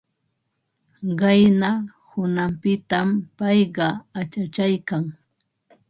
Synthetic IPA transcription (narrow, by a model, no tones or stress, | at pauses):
ɢɑjna | hʊnampɪt̪ampɑjɢɑat͡ʃat͡ʃajkaŋ